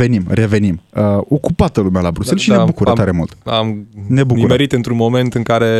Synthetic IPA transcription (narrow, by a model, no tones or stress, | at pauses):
e̞nimrʔe̞ve̞niməo̞kupat̪əlumealabɾuse̞lʃinebukuɾət̪aɾe̞mult̪amne̞bukuɾmeɾit̪ɨnt̪ɾunmo̞me̞nt̪ɨŋkaɾe̞